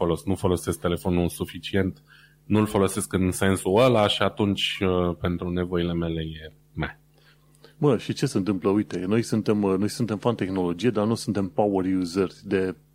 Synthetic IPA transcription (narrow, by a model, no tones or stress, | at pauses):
olo̞sknufo̞lo̞sesk̚t̪e̞le̞fo̞nusufit͡ʃie̞nt̪ | nulfo̞lo̞se̞skɨnse̞nsuəlaʃiat̪unt͡ʃʲpe̞nt̪ɾune̞vo̞ile̞me̞le̞je | me | bəʃit͡ʃe̞se̞nt̪̬ɨmpləujt̪e̞no̞jsunt̪e̞mno̞jsunt̪e̞mfant̪e̞xno̞lo̞d͡ʒijed̪anusunt̪e̞mpawərjuzerʲd̪e̞